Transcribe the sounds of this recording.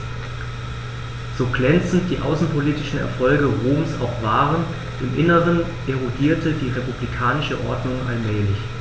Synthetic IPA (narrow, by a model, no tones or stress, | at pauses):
z̥oːɡlɛnt͡sn̩td̥iːʔa̰ʊsn̩pʰoliːtɪʃn̩ɛ̰ɐfɔlɡəʁoːmsa̰ʊxv̥aːʁən | ʔɪmʔɪnəʁən | ʔeʁodiːɐtʰədiːʁepublikʰaːnɪʃəʔɔɐdnʊŋʔalmɛːlɪç